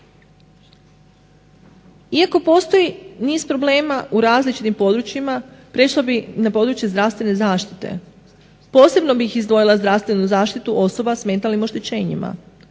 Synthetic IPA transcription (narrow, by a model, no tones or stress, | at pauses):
iako̞po̞ːst̪o̞jiniːzpɾo̞ble̞ːmaʔuɾaːzlit͡ʃit̪impo̞d̪ɾut͡ɕjimapɾeʃlˠobinapo̞ːd̪ɾut͡ʃje̞zd̪ɾaʋst̪ʋe̞ne̞zaːʃt̪i̥t̪e̞̰ | po̞ːse̞bno̞bixizd̪ʋo̞jilˠazd̪ɾaʋst̪ʋe̞nuzaːʃt̪it̪uʔo̞so̞basme̞ːt̪alnimo̞ʃt̪e̞t͡ɕe̞ːɲḭma̰